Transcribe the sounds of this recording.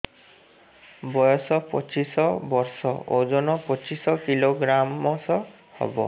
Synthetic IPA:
bɔjɔsɔpɔt͡ʃisɔbɔɾsɔod͡ʒɔnɔpɔt͡ʃisɔkiloɡɾamɔsɔ | hɔ̰bɔ̰

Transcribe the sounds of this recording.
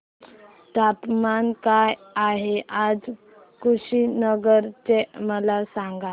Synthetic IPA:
t̪apmankajaɦeʔad͡z | kuɕinəɡəɾt͡ɕeməlasaŋɡa

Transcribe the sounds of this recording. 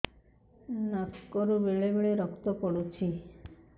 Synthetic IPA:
naskɔɾubeɭebeɭeɾɔkt̪okɔɽut͡ʃʰi

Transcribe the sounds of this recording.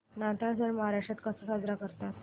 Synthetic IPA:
nat̪asəɽməɦaɾaʂat̪kəsasad͡zɾakəɾt̪at̪

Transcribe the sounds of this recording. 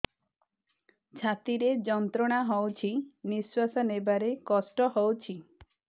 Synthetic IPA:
t͡ʃʰat̪iɾed͡ʒɔnt̪ɾɔɽ̃aɦɔwt͡ʃʰiniswasanebaɾekɔsʈɔɦɔwt͡ʃʰi

